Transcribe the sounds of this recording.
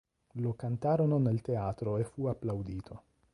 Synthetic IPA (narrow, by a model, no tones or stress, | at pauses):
lokant̪aɾononelt̪eat̪ɾoefuaplawd̪iːt̪ʰo